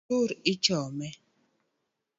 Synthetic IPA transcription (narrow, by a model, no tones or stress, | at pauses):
uɾit͡ʃɔmɛ